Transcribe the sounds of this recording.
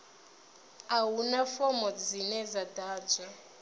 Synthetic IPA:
awunafɔmɔd͡zinɛzadaːd͡zɛ

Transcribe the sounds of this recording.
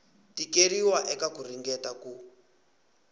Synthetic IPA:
tikeriwaʔɛkakuriŋɡɛtaku

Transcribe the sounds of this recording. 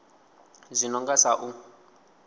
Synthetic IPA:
zʷinɔŋɡasaʔu

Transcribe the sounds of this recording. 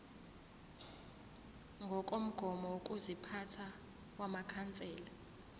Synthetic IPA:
ŋɡʱɔkʼom̩ɡ̥ʱɔmɔwokʼuzipʰatʰa | wamakʰant͡sʼɛːla

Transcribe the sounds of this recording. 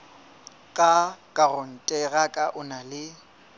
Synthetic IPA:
kʼakʼarʊn̩tʼɛɣakʼaʔʊnalɪ

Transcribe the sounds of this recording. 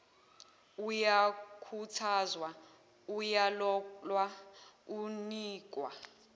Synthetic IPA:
ujakʰutʰazwa | ujalɔlwauniːk̬ʼwa̰

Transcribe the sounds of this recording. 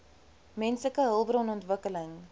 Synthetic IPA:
mɛnsləkəɦəlˠbɾɔnɔntvəkələŋ

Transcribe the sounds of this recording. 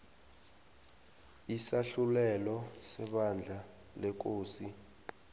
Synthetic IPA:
isaɬulɛlɔsɛɓand͡ɮʱa | lɛk̬oːsi

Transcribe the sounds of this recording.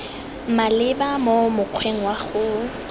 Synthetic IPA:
malɪbamomʊq͡χʰweŋ̩waɣʊ

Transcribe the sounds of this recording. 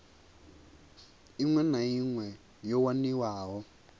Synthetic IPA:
iŋwɛnaiŋwɛ | jɔwaniwaːɦɔ

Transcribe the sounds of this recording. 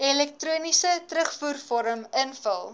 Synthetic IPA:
ɛlɛk̚truːnisətɾəχfuːrfɔɾəmənfəlˠ

